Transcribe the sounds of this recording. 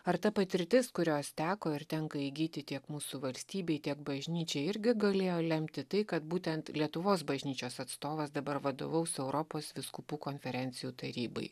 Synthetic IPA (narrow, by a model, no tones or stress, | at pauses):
ɐɾt̪ɐpɐt̪ʲɪɾʲt̪ʲɪskʊɾʲoːst̪ʲæːkoːɪɾt̪ʲɛŋkɐiɡʲiːt̪ʲɪt̪ʲiɛkmuːsuːʋɐlʲsʲt̪ʲiːbʲɛɪt̪ʲiɛkbɐʒʲnʲiːt͡ʃʲɛɪɾʲɡʲɪɡɐlʲeːjoːlʲɛmʲt̪ʲɪt̪ɐɪkɐt̪̚buːt̪ʲɛnt̪lʲiɛt̪ʊʋoːsbɐʒʲnʲiːt͡ʃʲoːsɐt̪st̪oːʋɐsd̪ɐbɐɾʋɐd̪o̰ːʋɐʊsɛʊɾɔpoːsʋʲɪskupuːkoːnʲfʲɛɾʲɛnʲt̪sʲɪjuːt̪ɐɾʲiːbɐ̰ɪ